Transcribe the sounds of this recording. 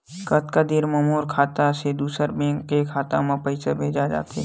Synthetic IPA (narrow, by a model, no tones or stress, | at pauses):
kət̪kad̪iɾmɐmoːɾkʰaːt̪ased̪uːsəɾbẽːŋekʰaːt̪amãpəɪsəbʱeːd͡ʒad͡ʒa̰ːt̪e